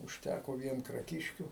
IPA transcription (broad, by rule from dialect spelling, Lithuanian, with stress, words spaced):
ʊʃʲˈtʲækoː ˈʋʲiɛn krɐˈkʲɪʃʲkʲuː